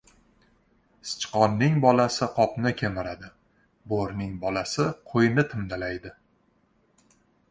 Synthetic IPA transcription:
sɪ̥t͡ʃqɒnːɪŋbɒlasɪqʰɒpnɪkʲʰemɪɾad̪ɪ | boɾnɪŋbɒlasɪqʰojnɪt̪ʰɪmd̪alajd̪ɪ

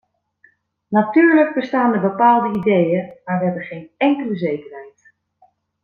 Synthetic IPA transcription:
natyːɹləɡ̚bəstaːndəbəpaːlˠdəidejəmaːɹʋəɦɛbənχejnɛŋkələzejkərɦɛjt

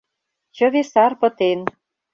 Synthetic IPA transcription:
t͡ɕə̆βesɑrpə̆t̪en

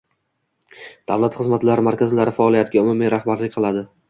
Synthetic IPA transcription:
d̪̥awlˠat̪χɨzmat̪ʰlaɾɪmaɾkʲʰazɪlaɾɪfaɒlˠijat̪ʰɪɡʲaʊmʊmiɾahbaɾlɪkʲqʰɨlˠad̪ɪ

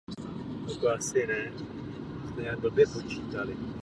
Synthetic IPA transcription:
okoasɪnɛ | smɛjadobɛpot͡ʃiːt̪alɪ

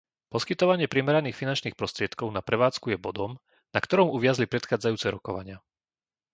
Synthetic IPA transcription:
pɔskit̪ɔʋaɲɪɛpɾɛmɛɾaniːxfinant͡ʃniːxpɾɔst̪ɾɪɛt̪kɔʊnapɾɛʋaːt͡skujɛbɔd̪ɔm | nakt̪ɔɾɔmuʋɪazlipɾɛt̪xaːd͡zajuːt͡sɛɾɔkɔʋa̰ɲɪa

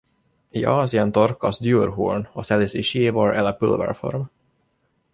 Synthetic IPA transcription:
iːʔɑːsɪənt̪ɔɾkɑsd̪jʉːɾɦṵːɳosɛlɪsiʃivɑːɾʔɛlæpʉlvə̰ɾfɔ̰ɾm

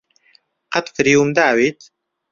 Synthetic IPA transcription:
qɑt̪ˤfɾiumd̪awit̪

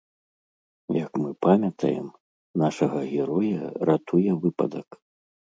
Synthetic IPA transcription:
jɐkmɨpamʲɐt̪ʰɐ̰jɛ̰m | naʂɐɣɐɣʲɛɾɔjɐɾat̪ʰujɛvɨpɐ̰d̪ɐk

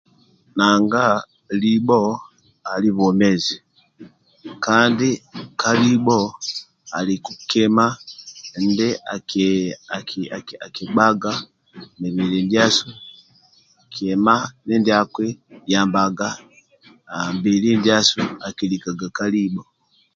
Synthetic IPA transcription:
naːŋɡa | libo | aliβomezi | kaːndikalibo | alikukema | ndeakakiaakibaɡa | neβilindjasu | akʰemanendjakwejaːmbaɡa | mbilindjasuakilikaɡakalibo

